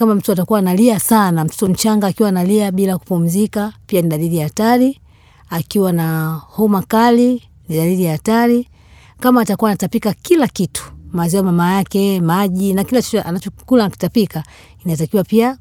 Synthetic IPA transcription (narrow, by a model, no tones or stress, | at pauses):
kamam̩tuatakuwanaliasanam̩tu̥tɔm̩t͡ʃaŋɡaːkiwanaliaɓilaku̥pum̩zikapianiɗalilijaːtaɾi | akiwanahɔmakali | niɗalilijahːtaɾi | kamaːtakuwaːnatapikakilakitu̥mazɛwamamajakɛmaʄinakilat͡ʃit͡ʃa̰nat͡ʃɔkulaki̥tapika | inatakiwapia